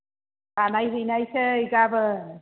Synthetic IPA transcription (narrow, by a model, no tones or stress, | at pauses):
kanajɦɯjnajsʰeiɡabɯ